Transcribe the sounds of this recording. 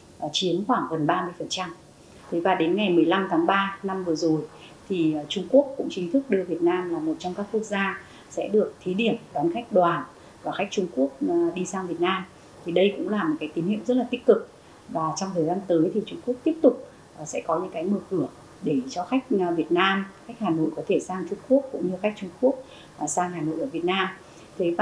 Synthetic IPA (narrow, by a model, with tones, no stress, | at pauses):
t͡ɕi˨˦ənxwaː˧˩ŋɣə˨˩nɓaː˧mɨ˧əjfə˨˩nt͡ɕa˧m | t̪ʰe˨˦vaː˨˩ɗe˨˦nŋa˨˩jmɨ˨˩əjla˧mt̪ʰaː˨˦ŋɓaː˧na˧mvɨ˨˩əzo˨˩j | t̪ʰi˨˩˨t͡ɕʊ˧ŋ͡mku˦˥əkːʊ̰˧˥ŋ͡mt͡ɕï˨˦t̪ʰɨ˦˥k̚ɗɨ˧əvi˨˩ət̚naː˧mlaː˨˩mo˨˩t̚t͡ɕɔ˧wŋ͡mkaː˦˥kːu˦˥ək̚zaː˧ | sɛ̰˧˥ɗɨ˨˩ək̚t̪ʰi˨˦ɗi˧˩əmɗɔ˨˦nxa˦˥jk̟̚ɗwaː˨˩n | vaː˨˩xa˦˥jk̟̚t͡ɕʊ˧ŋ͡mku˦˥ək̚ɗi˧saː˧ŋvi˨˩ət̚naː˧m | t̪ʰi˨˩ɗə˧jkʊ̰˧˥ŋ͡mlaː˨˩mo˨˩kaː˨˦jt̪i˨˦nhḭ˧˨wzə˦˥t̚laː˨˩t̪ï˦˥k̟̚kɨ˨˩k̚ | vaː˨˩t͡ɕɔ˧wŋ͡mt̪ʰəː˨˩jzaː˧nt̪əː˨˦jt̪ʰi˨˩t͡ɕʊ˧ŋ͡mku˦˥ək̚t̪i˦˥əp̚t̪ʊ˨˩k͡p̚ː | sɛ̰˧˥kɔ˨˦ɲɨ̰˧˥ŋkaː˨˦jmɨː˨˩kɨ˧˩ə | ɗe˧˩t͡ɕɔ˧xa˦˥jk̟̚vi˨˩ət̚naː˧mxa˦˥jk̟̚haː˨˩no̰˧˨jkɔ˨˦t̪ʰe˧˩saː˧ŋt͡ɕʊ˧ŋ͡mku˦˥ək̚kːʊ̰˧˥ŋ͡mɲɨ˧xa˦˥k̟̚t͡ɕʊ˧ŋ͡mku˦˥ək̚ː | saː˧ŋhaː˨˩no̰˧˨jʔəː˧˩vi˨˩ət̚naː˧m | t̪ʰe˨˦va˨